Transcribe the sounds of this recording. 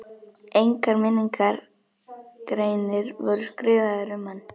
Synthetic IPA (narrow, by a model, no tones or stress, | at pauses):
ejŋkaɾmɪniŋkaɾ | kɾeːjnɪɾvɔɾʏskɾɪːvaðʏɾʏmhanː